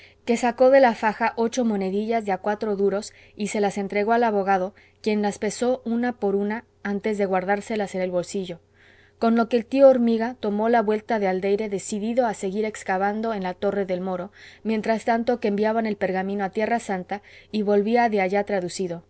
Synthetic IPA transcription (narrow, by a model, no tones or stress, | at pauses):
ke̞sako̞ðe̞lafaxaʔo̞t͡ʃo̞mo̞ne̞ðiʝazðeakwat̪ɾo̞ðuɾo̞s | ise̞lase̞nt̪ɾe̞ɣo̞alaβo̞ɣ̞aðo̞ | kje̞nlaspe̞so̞unapo̞ɾuna | ant̪e̞zðe̞ɣwaɾðaɾse̞lase̞ne̞lβo̞lsiʝo̞ | ko̞nlo̞ke̞ːlt̪ioːɾmiɣat̪o̞mo̞laβwe̞lt̪aðeald̪e̞jɾe̞ðe̞siðiðo̞ase̞ɣiɾe̞kskaβand̪oe̞nlat̪o̞re̞ðe̞lmo̞ɾo̞mje̞nt̪ɾast̪ant̪o̞keːmbjaβane̞lpe̞ɾɣamĩno̞at̪je̞rasant̪aiβo̞lβiaðe̞aʝat̪ɾaðusiðo̞